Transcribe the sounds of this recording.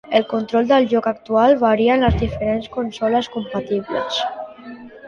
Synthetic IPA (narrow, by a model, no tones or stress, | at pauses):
əlˠkunt̪ɾɔlˠd̪əlʒɔkak̚t̪ualˠβaɾiənləzðifəɾenskunsɔləskumpat̪iβlə̰s